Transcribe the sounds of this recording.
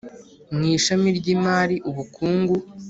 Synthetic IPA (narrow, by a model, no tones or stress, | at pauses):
mŋiːʃamiɾɟiːmaːɾiʔuβukʰuːŋɡu